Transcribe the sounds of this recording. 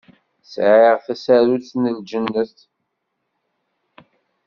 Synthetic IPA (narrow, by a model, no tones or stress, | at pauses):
sʕɪʁθæsæɾuθnəld͡ʒənːəθ